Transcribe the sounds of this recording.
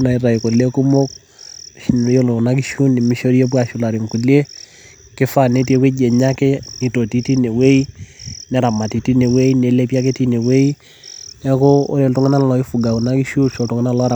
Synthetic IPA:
na˨i˦ɾa˨i˨ko˨le˦ku˦mo˦k | ʃi˨n˨˦o˦lo˨u˨na˦k̬i˦ʃu˦ni˨mi˦ʃo˦ɾi˦e˦p̬wa˨ʃu˨la˨ɾi˨ŋku˨li˦e˦ | kɪ˦fa˦˨ne˦ti˦e˨˦we˦d͡ʒe˨ɲa˦ke˦ŋi˨to˨ti˦ti˦ne˨we˦i˦nɛ˨ɾa˨ma˨ti˨ti˦ne˨we˦i˦ne˨˦le˦pi˦a˦ke˦ti˦ne˨we˦i˦ | nɛ˦ko˦o̰˦ɾe˨ltu˦ŋɛ˦na˦la˨lɔ˨˦i˦fu˨ɡa˨ku˨na˦ki˦ʃu˦ʃo˨tu˨ŋɛ˦na˦lɔ˦ɾa˨

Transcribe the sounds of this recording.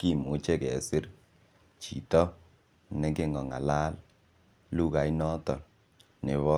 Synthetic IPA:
ki˦˨mu˨˦t͡ʃe˦˨kɛ˨sɪ˦ɾ | t͡ʃḭ˨tɔ˦ | ne˨ke˦ŋɔ˨ŋa̰˨la˦l | lu˦ka˨i˦nɔ˦tɔ˨ | ne˨βɔ˦

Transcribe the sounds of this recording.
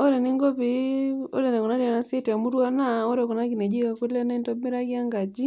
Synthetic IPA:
o˦ɾe˨ni˦ŋɡɔ˦pi˨o̰˦de˨ne˨ku˨na˦di˨a˨na˦si˦te˨mu˦ɾwa˦na˦o˦ɾe˨ku˨na˦ki˨ne˨d͡ʒi˦ka˨ku˦le˦na˦i˦nto˦mi˦ɾa˦ki˦a˦ŋɡa˨d͡ʒi˦

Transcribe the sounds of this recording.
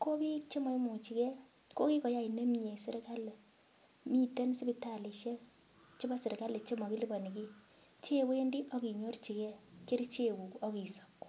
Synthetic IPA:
ko˦i˦t͡ʃe˦mɔ˨i˦mu˨t͡ʃi˨kɛ˦ | ko˦ki˦kɔ˨ja˦i˨ne˦mɲe˨sɪ˦ɾka˦l | mi˦tɛ˦n˦sɪ˦bi˦ta˨li˨ʃe˦ | t͡ʃɪ˦ba˦sɪ˨ɾka˦le˨t͡ʃe˦mɔ˨ki˦li˦bɔ˨ni˨ki˦ | t͡ʃe˦˨bo˦je˦ndi˦ʔɔ˦ki˨ɲo˦rt͡ʃi˨kɛ˦ke˦ɾt͡ʃe˦˨ku˨ɔ˦ki˨so̥˨k

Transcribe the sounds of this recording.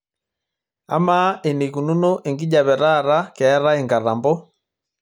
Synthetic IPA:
a̰˦ma˦ʔe˨ne˨ku˨nu˦no˦ʔe˨ŋɡi˦ɟa˨βɛ˨ɾa˦˨ɾa˦kɛː˨˦ɾa˦e˨ŋɡa˨ɾa˨mbɔ˦

